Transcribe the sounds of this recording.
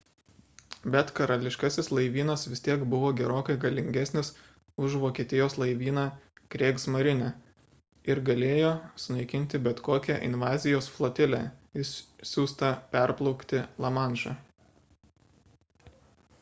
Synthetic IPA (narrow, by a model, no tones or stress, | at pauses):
bʲɛt̪kɐɾɐlʲɪʃkɑsʲɪslˠɐɪʋʲiːnɐsʋʲɪst̪ʲiɛkbʊʋoːɡʲɛɾoːkɐɪɡɐlʲɪŋʲɡʲæsʲnʲɪs | ʊʒʋoːkʲiɛt̪ʲɪjoːslˠɐɪʋʲiːnɑːkɾʲeːksmɐɾʲɪnʲɛ | ɪɾɡɐlʲeːjoːsʊnɐɪkʲɪnʲt̪ʲɪbʲɛt̪koːkʲɛʔɪ̰nʋɑːzʲɪjoːsflˠoːt̪ʲɪlʲæ̰ːɪsʲuːst̪ɐpʲɛɾplˠɒʊkt̪ʲɪlˠɐmɑˑnʒɑ